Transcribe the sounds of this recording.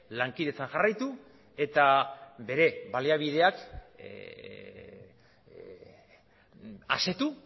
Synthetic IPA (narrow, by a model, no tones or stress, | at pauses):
laŋkiðe̞t͡sanʝarajt̪u | e̞t̪aβe̞ɾe̞βaliaβ̞ið̞e̞ak | a̰se̞t̪u